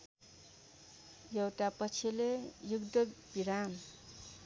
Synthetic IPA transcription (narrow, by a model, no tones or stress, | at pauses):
jʌwt̪apʌt͡sʰilejuɡd̪ʌb̥iɾam